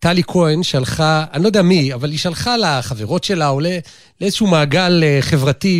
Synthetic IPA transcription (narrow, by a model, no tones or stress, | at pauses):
talikʰoenʃalχaanlo̞deamiavaliʃalχalaχaveʁo̞tʃelaole | leezʃumaːɡaleχe̞vʁati